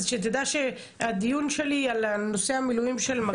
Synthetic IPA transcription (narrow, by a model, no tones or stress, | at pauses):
ʃet̪ed̪aʃe | ad̪ijunʃelialno̞seamilujimʃelma